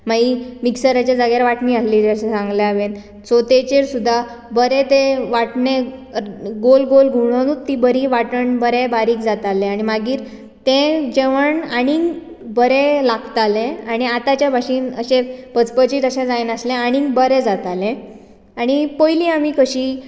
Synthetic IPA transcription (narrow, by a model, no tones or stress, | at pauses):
maɦimiksəɾat͡ɕjad͡zaɡjaɾʋaʈniːaslid͡ʑeəɕẽsãŋɡljaʋen | t͡sot̪et͡ɕeɾsud̪ʱːa | bəɾet̪eʋaʈne | ɡolɡolɡʱuɽ̃ənut̪ːibəɾiːʋaʈəɳbəɾebaɾiːkd͡zat̪alẽaɽ̃imaɡiːɾ | t̪ẽd͡ʑeʋəɳaɽiŋɡ | bəɾelaɡt̪alẽaɽ̃iat̪at͡ɕjabʱaɕiːnə̰ɕepət͡spət͡ɕiːt̪əɕẽd͡zajnəslẽaɽ̃iŋɡbəɾed͡zat̪alẽ | aɽ̃ipojlĩːamiːkəɕiː